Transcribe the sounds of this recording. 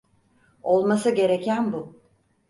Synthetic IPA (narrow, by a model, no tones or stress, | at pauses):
o̞lˠmasɯɟe̞ɾe̞cʰænbʊ